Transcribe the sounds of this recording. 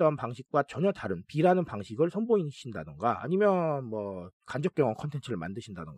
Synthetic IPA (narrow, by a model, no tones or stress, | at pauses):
t͈ʌnpaŋɕʰik̚k͈wat͡ɕʌɲʌtaɾɯnpiɾanɯnpaŋɕʰiɡɯɭsʰʌnboinɕʰindadɯnɡaa̰ɲimjʌnmwʌkand͡ʑʌk͈jʌŋʌŋkʰʌntʰe̞nt͡ɕʰɯɾɯɭma̰ndɯɕʰinda̰nɯŋɡa